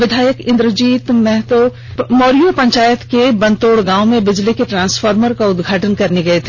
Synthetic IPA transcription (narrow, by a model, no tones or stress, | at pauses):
ʋɪd̪ʱaːjəkɪ̃nd̪ɾəd͡ʒiːt̪mɛɦt̪o | moːɾijopɐ̃ɲt͡ʃaːjət̪kebɐ̃nt̪oːɽɡãːʊmẽbɪd͡ʒlikeʈɾãːnsfəːɾməɾkaʊd̪ɡʱaːʈənkɐɾneɡɐet̪ʰe